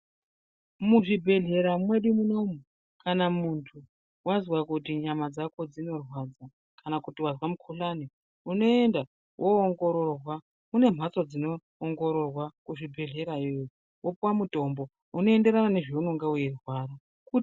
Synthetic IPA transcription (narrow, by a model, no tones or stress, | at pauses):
muʐibʱe̞ɮe̞ɾamwe̞ɗimuno̞mu | kanamuntʰu | wazwakutiɲamad͡zako̞d͡zino̞rwad͡za | kanakutiwazwamukʰuɬani | uno̞e̞nda | wʔoːŋɡo̞ɾo̞rwa | une̞m̤at͡sod͡zino̞ː | ŋɡo̞ɾo̞rwakuʐibʱe̞ɮe̞ɾaojo | wʔopuwamuto̞mbo̞ | uno̞e̞nde̞ɾanane̞ʐionoŋɡaujerwaɾa | ku